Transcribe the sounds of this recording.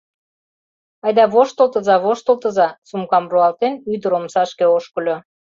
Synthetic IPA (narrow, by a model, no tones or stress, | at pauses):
ɑjd̪ɑβoʃt̪olt̪ɤzɑβoʃt̪olˠt̪ɤ̆zɑsumkɑmruɑlt̪enyd̪ə̆ɾomsɑʃkeoʃkɤ̆lʲo